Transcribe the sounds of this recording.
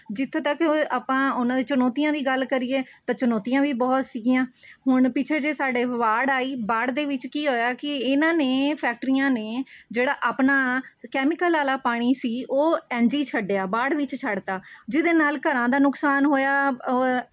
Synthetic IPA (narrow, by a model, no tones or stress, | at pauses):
d͡ʒɪt̪ʰːẽːt̪əkaːpãːʊnãːd̪iːt͡ʃənɔːt̪ijãːd̪iːɡəlkəɾiːeːt̪ãːt͡ʃʊnɔːt̪ijãːʋiːbɔːt̪siːɡijãːɦʊɳpɪt͡ʃʰeːd͡ʒeːsaːɖeːʋaːɖaːiːbaːɽd̪eːʋɪt͡ʃkiːɦoːjaːkɪɪnãːneːpʰɛːk̚ʈɾijãːneːd͡ʒeːɽaːʔaːpnaːkɛːmɪkəlːaːlaːpaːɽ̃iːsiːʔoːɛ̃ːnd͡ʒiːt͡ʃʰəɖejaːbaːɽʋɪt͡ʃt͡ʃʰəɽt̪aːd͡ʒɪd̪eːnaːlkəɾãːd̪aːnʊksaːnɦoːjaː